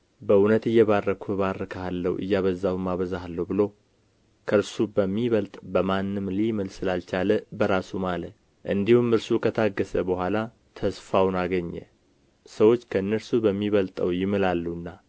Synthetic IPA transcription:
bəunət̪ɨjːɛβarːəkʰuβarːəkʰaalːəwʔɨ̰jːaβəzːawumaβəzaalːəhubɨlo̞ | kʰəɾsubəmːiβəlt̪ʼbəmanːɨmlimɨlsɨlalt͡ʃaləbəɾasumalət̪ | ʔɨnd̪ihumɨɾsukʰət̪ʰaɡːəsəbəhʷala | t̪ʰəsfawnaɡəɲːɛ̰ | səwo̞t͡ʃːkʰəɨnːəɾsubəmːiβəlt̪ʼəwjɪmɨlalːuɨnːa

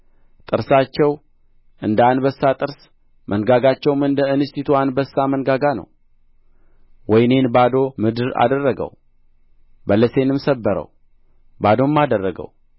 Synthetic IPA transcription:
t̪ʼɨɾsat͡ʃːɛw | ʔɨnd̪anbəsːat̪ʼɨɾs | mʔənɡaɡat͡ʃːɛwmɨnd̪əɨnɨst̪it̪ʰoanbəsːamənɡaɡanə̰w | wɔjne̞nbad̪o̞mɨd̪ɨɾa̰d̪ərːəɡə̰w | bələse̞nɨmsəbːəɾə̰w | bad̪o̞mːad̪ərːəɡə̰w

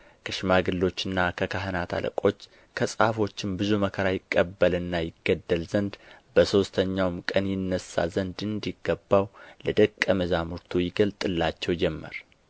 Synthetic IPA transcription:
kʰəʃɪmaɡɨlːo̞t͡ʃːɨnːakʰəkʰaɦɨnat̪ʰa̰lə̰kʼo̞t͡ʃː | kʰəsʼa̰fo̞t͡ʃːɪmbɨzuməkʰəɾajɪkʼːəbːəlɨnːajɪɡːəd̪ːəlzənd̪bəso̞st̪ʰəɲːawmkʼənjɪnːəsːa̰zənd̪ɨnd̪iɡːəbːawləd̪əkʼːəməzamuɾt̪ʰujɪɡəlt̪ʼɨlːat͡ʃːɛwd͡ʒɛmːə̰ɾ

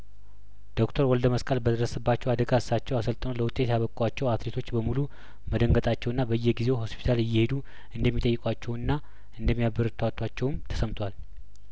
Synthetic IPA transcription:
d̪̥o̞kt̪ʰəɾwɔld̪əməskʼəlbəd̪əɾəsɨbːat͡ʃːɛwad̪əɡaɨsːat͡ʃːɛwasəlt̪ʼənələwʊt̪ʼːe̞t̪jaβəkʼwat͡ʃːɛwat̪let̪ʰo̞t͡ʃːbəmulu | məd̪əŋɡət̪ʼat͡ʃːɛwɨnːabəjːɛhɡize̞who̞spʰi̥t̪ʰalɨjːɛhe̞d̪u | ɨnd̪əmːit̪ʼəjːɪkʼwat͡ʃːɛwɨnːa | ɨnd̪əmːijabːɨɾɨt̪ʰwat̪ʰːwat͡ʃːɛwmt̪ʰə̥səmt̪ʰwal

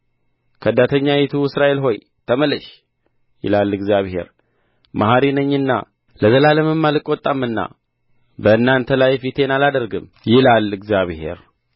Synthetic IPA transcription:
kʰəd̪ːat̪ʰəɲːajɛt̪ʰuɨsɾaʔe̞lɦo̞j | t̪ʰəməlɨʃ | jɪ̰lalːɨɡzjaβhe̞̰ɾ | maɦaɾinəɲːɨnːa̰ | ləzəlaləmɨmːalɨkʼːot̪ʼːamːɨnːa̰ | bəɨnːant̪ʰəlajfit̪ʰe̞nalad̪əɾɡɨm | jɪlalɨɡzjaβhe̞̰ɾ

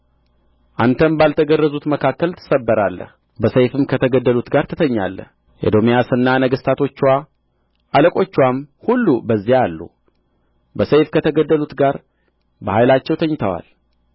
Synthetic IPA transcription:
ʔant̪ʰəmbalt̪ʰəɡərːəzut̪məkʰakːəlt̪ʰɨ̥səbːəɾalːə̰h | bəsəjfɨmkʰət̪ʰəɡəd̪ːəlut̪ɡaɾt̪ʰɨt̪ʰəɲːa̰lːəh | ʔḛd̪o̞mijasɨnːanəɡəst̪ʰat̪ʰo̞t͡ʃːwa | ʔaləkʼo̞t͡ʃːwamhulːubəzːijaalːṵ | bəsəjfkʰət̪ʰəɡəd̪ːəlut̪ɡaɾ | bəhajlat͡ʃːɛwt̪ʰəɲːɪt̪ʰəwa̰l

